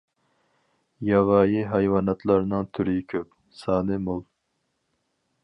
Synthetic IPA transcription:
jɑwɑːjiɦɑjwɑːnɑt̪ʰlˠɑɾnɨŋt̪ʰyɾikʲʰøp̚ | sɑːnɨmolˠ

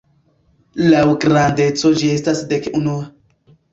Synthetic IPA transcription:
lawɡɾande̞t͡so̞d͡ʒie̞stasdekunua

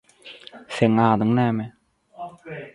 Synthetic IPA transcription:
seŋaːd̪ɯŋnɛːmɛ

